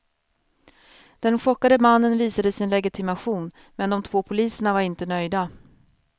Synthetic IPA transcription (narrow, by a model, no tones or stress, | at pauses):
d̪̥ɛnɧɔkːad̪əmanːənviːsad̪əsɪnlɛɡɪt̪ʰɪmaɧuːn | mɛnd̪ɔmt̪ʰvoːpʰʊliːsəɳavaɾɪnt̪ənœjd̪a